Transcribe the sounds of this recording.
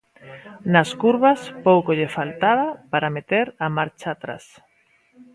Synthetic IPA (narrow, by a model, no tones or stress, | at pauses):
naskuɾβaspowkoʎefalt̪aβapaɾamet̪eɾamaɾt͡ʃaːt̪ɾa̰s